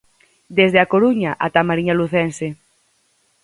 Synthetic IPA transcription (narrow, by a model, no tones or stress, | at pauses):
d̪ezðeakoɾuɲaʔat̪amaɾiɲaluθɛnse